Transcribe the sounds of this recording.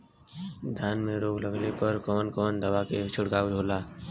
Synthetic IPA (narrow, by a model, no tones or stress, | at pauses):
d̪ʱjaːnmẽɾoːɡləɡlepəɾkɔːnkɔːnd̪əʋaket͡ʃʊɽɡaːwdʱoːlaː